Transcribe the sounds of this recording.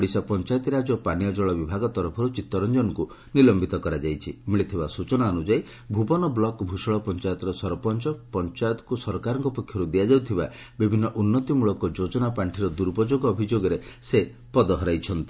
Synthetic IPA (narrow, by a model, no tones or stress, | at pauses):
ɽisɔpɔnt͡ʃajɔt̪iɾad͡ʒɔpanijɔd͡ʒɔɭɔbibʱaɡɔt̪ɔɾɔpʰɔɾut͡ʃit̪ːɔɾɔnd͡ʒɔnŋku | nilɔmbit̪ɔkɔɾad͡ʒajt͡ʃʰimiɭit̪ʰibasut͡ʃɔnaɔnud͡ʒaj | bʱubɔnɔblɔkbʱuʃɔɭɔpɔnt͡ʃajɔt̪ɾɔsɔɾɔpɔnt͡ʃɔpɔnt͡ʃajɔt̪ɔ̥kusɔɾɔkaɾɔŋkɔpɔkʰjɔɾud̪ijad͡ʒawt̪ʰiba | bibʱinːɔʔunːɔt̪imuɭɔkɔd͡ʒod͡ʒɔnapaɳʈʰiɾɔd̪uɾbɔd͡ʒoɡɔːbʱid͡ʒoɡɔɾese | pɔd̪ɔɦɔɾajt͡ʃʰɔnt̪i